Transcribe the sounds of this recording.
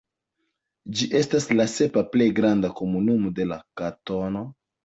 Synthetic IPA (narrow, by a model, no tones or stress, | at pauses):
d͡ʒiʔe̞staslase̞paplejɡɾandako̞munumode̞lakato̞no̞